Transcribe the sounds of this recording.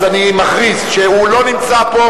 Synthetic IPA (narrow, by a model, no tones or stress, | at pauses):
zanimaχʁisʃeulo̞nimt͡sapo̞